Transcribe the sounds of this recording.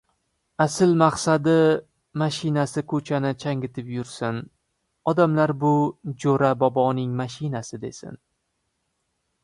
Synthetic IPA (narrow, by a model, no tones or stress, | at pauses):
asɪlmaqsad̪ɪ | maʃɪnasɪkʰɵt͡ʃʰanɪt͡ʃʰaŋɪt̪ʰɪpjʊɾsɪn | ɒd̪amlaɾbʊd͡ʒoɾabɒbɒnɪŋmaʃɪnasɪd̪e̞̰sɪ̰n